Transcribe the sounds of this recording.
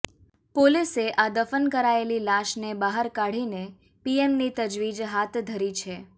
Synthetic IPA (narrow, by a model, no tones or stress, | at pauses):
poliseʔad̪əfənkəɾaelilaʃnebaɦəɾkaɽ̤ine | piemnit̪əd͡ʒʋid͡ʒɦat̪d̪ʱəɾit͡ʃʰe